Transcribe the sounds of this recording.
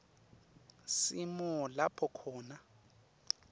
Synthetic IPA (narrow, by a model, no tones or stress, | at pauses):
simɔlapʰɔkʰɔːna